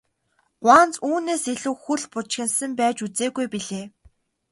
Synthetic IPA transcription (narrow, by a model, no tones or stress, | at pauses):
ɢʷwaːnt͡suːneːseɮŭːxuɮpʊt͡ɕxʲɪ̆nsə̆mpæːt͡ɕut͡seːɣujpiɮeː